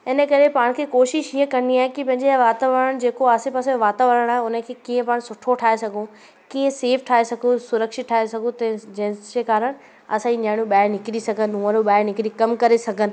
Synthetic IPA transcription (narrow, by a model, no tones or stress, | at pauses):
ɪnəkɐɾepaːɽ̃kʰeːkoːʃɪʃɦiːəkɐ̃ñiaːɦekipɐ̃ɦɪ̃ɲd͡ʑeʋaːt̪aʋəɾəɽ̃d͡ʑeːkoaːsɪpaːsẽʋaːt̪aʋəɾəɽ̃aːɦeʊnə̆kʰeːkĩə̃paːɽ̃sʊʈʰoʈʰaːɦesɐɡʱũ | kĩːə̃seːfʈʰaːɦesɐɡʱũsʊɾəkʃɪt̚ʈʰaːesɐɡʱũt̪ɐ̃d͡ʑɐ̃ɦd͡ʑekaːɾəɽ̃ | ɐsãːiɲaːɽ̃jũɓaːɪnɪkɪɾisɐɡʱənɪũəɾũɓaːɪnɪkɪɾikɐmkɐɾesɐɡʱənɪ̆